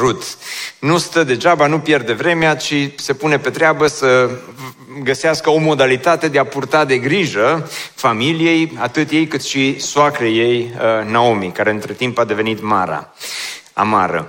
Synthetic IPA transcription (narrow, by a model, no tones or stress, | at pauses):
rut̪nust̪əd̪e̞ʒabanupje̞rd̪e̞vɾe̞meat͡ʃise̞pune̞pe̞t̪ɾeabəsə | ɡəseaskəo̞mo̞d̪alit̪at̪e̞d̪eapurt̪ad̪e̞ɡɾiʒəfamilije̞jat̪ɨt̪je̞jkɨt̪ʃisoakɾeje̞jnaomikaɾe̞ɨnt̪ɾe̞t̪impad̪e̞ve̞nit̪ma̰ɾa̰ | a̰ma̰ɾə̰